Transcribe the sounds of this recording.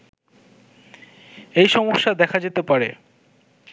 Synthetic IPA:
ejʃɔmoʃːad̪ɛkʰad͡ʑet̪epaɾḛ

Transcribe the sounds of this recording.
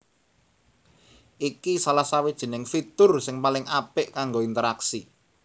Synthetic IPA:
ʔikisalahsawid̥ʒ̥i̤nɪŋfit̪ʊrsɪŋpalɪŋʔapɪʔkaŋɡoint̪əɾaksi

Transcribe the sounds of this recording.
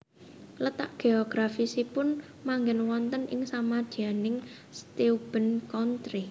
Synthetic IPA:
lət̪a̰ʔɡ̥eoɡ̥ɾafisipʊn | maŋɡɛnwɔnt̪ənɪ̰ŋsamad̪̥ianɪŋ | st̪eub̥ə̤nkɔnt̪ɾi

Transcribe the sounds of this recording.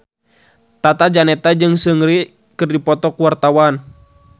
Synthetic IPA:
t̪at̪ad͡ʒanɛt̪ad͡ʒɨŋsəŋɾi | kɨrdipɔt̪ɔkuwart̪awan

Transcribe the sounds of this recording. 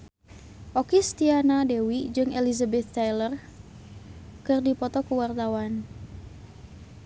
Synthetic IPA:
ʔɔkist̪ianadɛwid͡ʒɨŋɛlizabɛt̪ːajlər | kɨrdipɔt̪ɔkuwart̪awan

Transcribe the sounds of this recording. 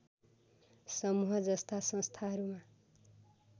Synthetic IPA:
sʌmuɦʌd͡zʌst̪asʌ̃st̪ʰaɦʌɾuma

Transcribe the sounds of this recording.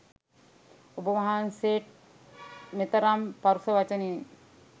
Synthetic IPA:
obəʋaɦanseːʈ̚ | met̪ɐɾampaɾusɐʋat͡ʃəni

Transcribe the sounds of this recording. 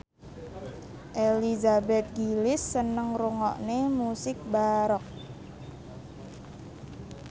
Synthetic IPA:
ʔelizabɛt̪̚ɡilɪsːənəŋruŋɔ̰ʔnemusɪk̚baɾɔk̚

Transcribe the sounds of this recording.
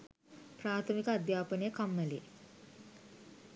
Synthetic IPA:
pɾaːt̪ʰəmikəad̪jaːpənejəkamːəlḛː

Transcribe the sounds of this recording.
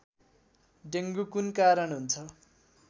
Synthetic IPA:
ɖeŋɡukunkaɾʌnɦunt͡sʰʌ

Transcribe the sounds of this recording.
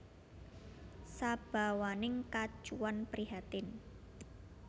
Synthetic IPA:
sab̥a̤wanɪŋkḁd͡ʒ̥uwanpɾiɦat̪ɪn

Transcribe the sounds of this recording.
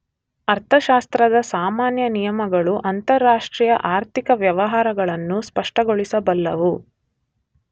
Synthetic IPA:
ɐɾt̪ʰɐʃaːst̪ɾɐd̪ɐsaːmaːnjɐnijɐmɐɡɐɭuʔɐnt̪ɐɾːaːʂʈɾiːjɐʔaːɾt̪ikɐʋjɐʋɐɦaːɾɐɡɐɭɐnːuspɐʂʈɐɡoɭisɐbɐlːɐʋu

